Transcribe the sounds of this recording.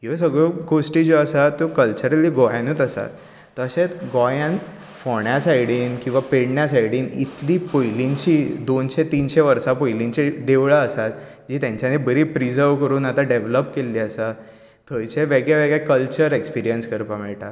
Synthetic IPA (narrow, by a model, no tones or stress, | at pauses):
ɦos̬əɡɭoɡosʈiːd͡ʑoəsat̪ːokəlt͡ɕəɾəliːɡɔjanuːt̪əsa̰t̪ː | əəɕet̪ɡɔjãn | fɔɳjasajɽiːnkĩw̃ʋapeɽɳjasajɽiːnḭt̪liːpojlint͡ɕiːd̪onɕet̪iːnɕeʋəɾsapojliɲt͡ɕed̪eʋɭaəsat̪ | d͡ʑiːt̪jãɲt͡ɕjanebəɾiːpɾizəɾʋkəɾuːnat̪ãɖeʋləpkelːiːəsa | t̪ʰːəjt͡ɕeʋeɡɭeʋeɡɭakəlt͡ɕəɾekspiɾijənskəɾpamɛɭʈa̰t̪